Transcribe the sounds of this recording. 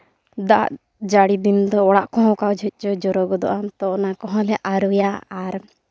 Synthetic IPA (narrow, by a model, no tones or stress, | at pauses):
d̪a̰ʔ | d͡ʒaɽid̪ind̪ɔɔɽaʔkɔɦɔ̃kawd͡ʒʱɔc̪̚ˀt͡ʃɔd͡ʒɔɾɔɡɔd̪ɔ̰ʔamt̪ɔnakɔɦɔ̃lɛʔaɾujaaɾ